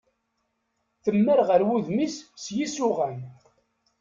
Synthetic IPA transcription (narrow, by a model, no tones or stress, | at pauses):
θəmːəɾʁəɾwuðmissjisʊʁæn